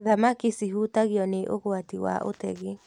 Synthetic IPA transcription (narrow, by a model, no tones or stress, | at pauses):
ðamakisiɦutaɣjɔneʔoɣwatiwa̰ʔo̰tɛɣe